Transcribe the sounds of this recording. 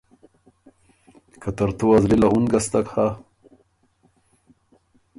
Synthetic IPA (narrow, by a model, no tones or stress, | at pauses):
kat̪aɾt̪uazlilaunɡast̪akha